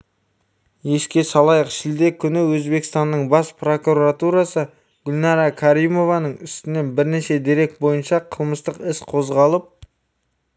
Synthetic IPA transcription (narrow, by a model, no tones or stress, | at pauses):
je̞ʃkʲe̞sɑlˠɑjəqʃɪld̪e̞kʲʰʏnɪwɵzbe̞kɪst̪ɑnːəɴbɑspro̞kuɾat̪uɾasə | ɡ̥ʲʊlʲnɑɾɑkʰaɾijmo̞vɑnəɴʏst̪ɪne̞nbɪɾne̞ʃe̞d̪iɾe̞k̚t̪̚bo̞jənʃɑqʰəlˠməst̪əqɪsqʰo̞zʁɑlˠəp̚